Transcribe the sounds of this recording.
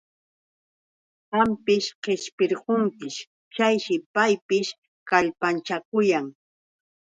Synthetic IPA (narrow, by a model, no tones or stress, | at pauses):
hampɪʃqeʃpɪɾɢoŋkɪʃ | t͡ʃajʃɪpajpɪʃ | kaʎpant͡ʃakʊjaŋ